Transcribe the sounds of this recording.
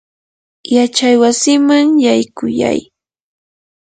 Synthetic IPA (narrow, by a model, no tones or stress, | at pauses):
jat͡ʃajwasɪmaŋjajkʊja̰j